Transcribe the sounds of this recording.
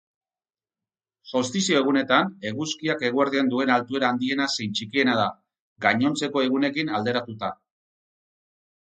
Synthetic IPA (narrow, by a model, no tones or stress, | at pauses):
so̞st̪isio̞e̞ɣ̞une̞t̪ane̞ɣuskiake̞ɣ̞ueɾðiand̪ue̞nalt̪ue̞ɾaːnd̪ie̞nasejnt͡ʃikie̞nað̞a | ɡaɲo̞nt͡se̞ko̞e̞ɣune̞kinald̪e̞ɾat̪ut̪a